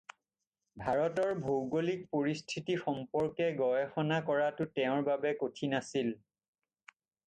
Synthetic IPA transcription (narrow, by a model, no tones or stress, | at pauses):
bʱaɹɔtɔɹbʱowɡolik̚poɹistʰitixɔmpɔɹkɛɡɔjɔxɔnakɔɹatʊtɛʊ̃ɹbabɛkotʰinasil